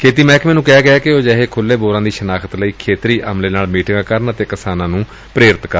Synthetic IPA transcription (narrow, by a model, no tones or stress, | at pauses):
kʰeːt̪iːmɛːkʰmɛːnũːkɛːɡɪaːkɪoːd͡ʒɛːɦeːkʰʊlːeːboːɾãːd̪iːʃənaːkʰət̪ləiːkʰeːt̪ɾiːʔəmleːnaːlmiːʈɪŋɡãːkəɾənət̪eːkɪsaːnãːnũː | pɾeːɾɪt̪kəɾ